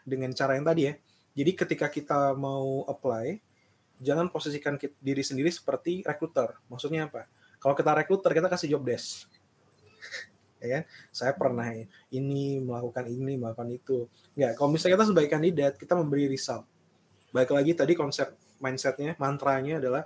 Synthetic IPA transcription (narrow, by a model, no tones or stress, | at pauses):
dəŋant͡ʃaɾajaŋt̪adijah | d͡ʒadikət̪ikakit̪amauəplaj | d͡ʒaŋanposisikankidiɾisəndiɾisə̥pərt̪iɾekɾut̪ərmaksut̪̚ɲaːpa | kalokit̪aɾekɾut̪ərkit̪akasɪhd͡ʒɔp̚dɛs | jakansajapərnahja | iniməlakukaniniməakukanit̪u | ŋɡakalomisakit̪̬as̬əbaikandidat̪̚kit̪aməmbəɾiɾisalt̪̚ | baɪklaɡit̪adikɔnsɛp̚ | mainsɛt̪̚ɲamant̪ɾaɲaːdalah